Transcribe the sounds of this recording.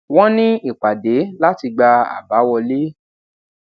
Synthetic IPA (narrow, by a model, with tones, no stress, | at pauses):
wɔ̃˦nĩ˦i˨k͡pa˨de˨˦la˦ti˧ɡ͡ba˧a̰˨ba˨˦wɔ˧le˦